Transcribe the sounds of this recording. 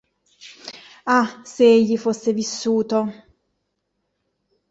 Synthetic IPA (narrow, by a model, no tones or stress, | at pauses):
aseeʎːifosːevisːuːt̪o